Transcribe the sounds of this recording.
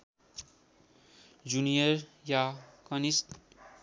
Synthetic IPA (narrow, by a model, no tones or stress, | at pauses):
d͡ʒunijʌɾjakʌnist̪